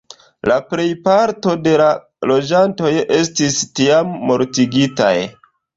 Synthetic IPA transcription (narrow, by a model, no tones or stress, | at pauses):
lapɾe̞jpaɾto̞de̞la | lo̞d͡ʒanto̞je̞stistiamːo̞ɾtiɡita̰j